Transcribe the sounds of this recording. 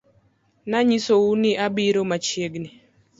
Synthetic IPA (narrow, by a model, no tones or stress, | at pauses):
naɲisouniʔabiɾomat͡ʃjeɡni